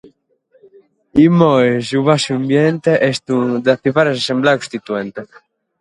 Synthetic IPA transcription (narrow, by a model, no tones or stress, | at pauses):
imɔesuβasuambjɛnt̪eʔɛst̪ud̪aθifaɾesasembleakõst̪it̪uɛnt̪e